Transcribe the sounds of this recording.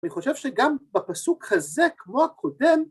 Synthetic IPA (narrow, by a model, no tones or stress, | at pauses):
niχo̞ʃevʃeɡambapasukhazekmo̞hakʰo̞d̪e̞m